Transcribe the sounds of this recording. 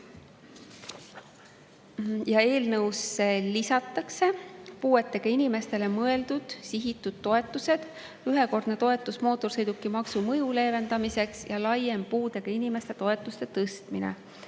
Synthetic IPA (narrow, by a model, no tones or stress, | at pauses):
jɑe̞ːlnɤwsːelisɑt̪ːˑɑkse̞puːe̞t̪ːˑeɡ̥ɑinime̞st̪e̞le̞mɤe̞ld̪̥ud̪̥siɦit̪ːˑud̪̥̚t̪ːo̞e̞t̪ːˑuse̞d̪̥ | yɦe̞ko̞rd̪̥ne̞t̪o̞e̞t̪ˑːusmo̞ːt̪ːˑorsɤjd̪ukːˑimɑksumɤ̞jule̞ːve̞nd̪̥ɑmise̞ksjɑlɑjempuːd̪e̞ɡ̥ɑinime̞st̪e̞t̪o̞e̞t̪ːˑust̪e̞t̪ɤst̪minḛ